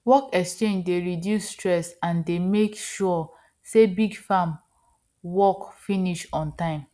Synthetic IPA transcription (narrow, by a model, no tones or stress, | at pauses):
wɔkɛkst͡ʃẽnd͡ʒdeɹidjusːtɹɛsãndemekʃu | sebiɡfam | wɔkfiniʃɔ̃ntãɪ̃m